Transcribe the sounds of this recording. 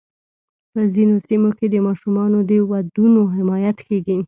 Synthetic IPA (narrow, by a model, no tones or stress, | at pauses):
pəzinosimoked̪əmɑʃumɑnod̪əwad̪unoɦɪmɑjat̪keɡi